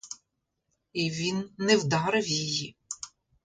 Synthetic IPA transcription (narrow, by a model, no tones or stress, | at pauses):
iʋʲinːɛwd̪ɑɾɪwjiji